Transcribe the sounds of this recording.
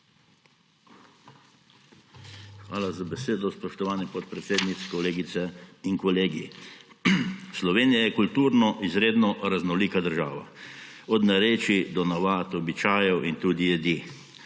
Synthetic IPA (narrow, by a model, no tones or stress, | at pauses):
xʋa̰ːlazabɛseːd̪ɔspɔʃt̪ɔʋaːnipɔt̪̚pɾɛt̪seːd̪nit̪skɔleːɡit̪sɛinkɔleːɡḭ | slɔʋeːnijajɛkult̪uːɾnɔʔizɾeːd̪nɔɾaznɔliːkad̪əɾʒa̰ːʋa̰ | ɔd̪naɾeːt͡ʃid̪ɔnaʋaːt̪ɔbit͡ʃaːjɛwʔint̪uːd̪ijɛd̪i